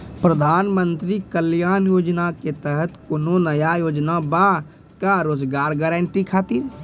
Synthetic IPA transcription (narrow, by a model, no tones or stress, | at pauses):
pɾəd̪ʱaːnmənt̪ɾikəljaːnjoːd͡ʒnaket̪əɦət̪kononəjajoːd͡ʒnaba | kaɾoːd͡ʒɡaːɾɡəɾəɳʈikʰaːt̪ɪɾ